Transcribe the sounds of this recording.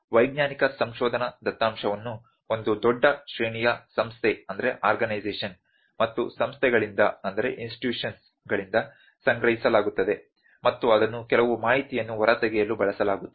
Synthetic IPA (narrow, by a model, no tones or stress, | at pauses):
ʋɐjɡ̚ɲaːnikɐsɐmʃɔːd̪ʱɐnɐd̪ɐt̪ːaːmʃɐʋɐnːu | o̞nd̪ud̪ɔɖːɐʃɾeːɳijɐsɐmst̪ʰeɐnd̪ɐɾe̞ʔaːɾɡɐnɐjzeːʂɐn | mɐt̪ːṵsɐmst̪ʰɛɡɐɭind̪ɐɐnd̪ɐɾe̞̰ʔinsʈi̥ʈjuːʂɐns | ɡɐɭind̪ɐ | sɐŋɡɾɐɦisɐlaːɡut̪ːɐd̪e̞ | mɐt̪ːuɐd̪ɐnːukɛlɐʋumaːɦit̪ijɐnːuʋɐɾɐt̪ɛɡɛjɐlːubɐɭɐsɐlaːɡut̪ːu